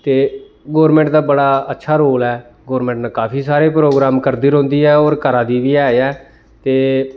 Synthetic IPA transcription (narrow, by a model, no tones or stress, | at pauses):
t̪eː | ɡoːɾmɛ̃ːɳʈd̪aːbəɽaːətːʃʰaːɾoːlɛː | ɡoːɾmɛ̃ːɳʈnakaːpiːsaːɾeːpɾoːɡɾaːmkəɾd̪iːɾõːnd̪iːɛːoːɾkəɾaːd̪iːʋiːaːeɛː | t̪eː